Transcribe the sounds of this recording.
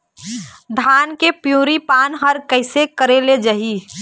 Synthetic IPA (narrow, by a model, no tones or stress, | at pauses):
d̪ʱaːnkepjuːɾipaːnɦəɾkəɪsekəɾeled͡ʒəɦi